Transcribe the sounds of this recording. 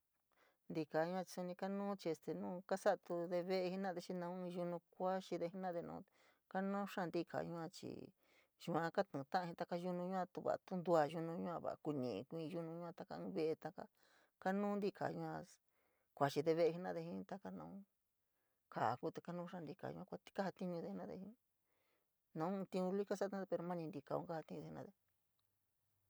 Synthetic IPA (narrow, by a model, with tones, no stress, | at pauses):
nd̪i˧ka˨ɲu˧˦ã˧t͡ʃi̥˧su˧nĩ˧ka˦nũː˦t͡ʃi˧e˧st̪e˨nũː˦ka˦sa˦ʔt̪u˧ðe˧βe˦ʔe˧hi˦nã˦˨ðe˧t͡ʃi˧nã˧˦˧ʒu˧nũ˧kʷa˦t͡ʃi˧ðe˧i˦nã˦ðe˧nṵ̃ː˧ | ka˦nũ˦ʂã˦˧nd̪i˦˧kʰa̰˨ʒũ˧ã˧t͡ʃḭ˨ | ʒu˧ã˧ka˦t̪ũ˨˧t̪ã˦ʔa˧ĩ˧t̪a˧ka˧ʒu˧nũ˧ɲũ˦ã˧t̪u˧βa̰˨˧t̪u˦nd̪u˧a˧ʒu˧nũ˧ɲũ˦ã˧βa̰˨˧˨ku˧nḭ̃˨˧kʷĩ˧ʒu˦nũ˧ɲũ˧˦ã˧t̪a˧ka̰˧ɨ̃ː˧βe˦˧ʔe˧t̪a˧ka˧ | ka˦nũː˦nd̪i˦kʰa̰˨ʒũ˧ã˧ | kʷa˨t͡ʃi˧ðe˧βe˧e˧ɦi˧nã̰˦˧ðe˧ɦĩ˧˦t̪a˧ka˦nã̰˧ũ˦ | ka˨ku˦t̪e˧ka˦nũː˦ʂã˦˧nd̪i˧ka̰˨ṵ̃˧ã˧kʷḁ˧˦ka˦ha˧t̪i˦ɲũ˧ðe˧i˧nã˦˧ðḛ˧hĩ˧˦ | nã˧˦˧t̪ĩ˧ũ˧li˦ka˦sã˦˧˦ðe˧pe˧ɾo˧mã˦nĩ˧nd̪i˧ka˨˧ṵ̃˧˦ka˦ha˧t̪ĩ˦˧ðe˧i˧ã˧ðe˧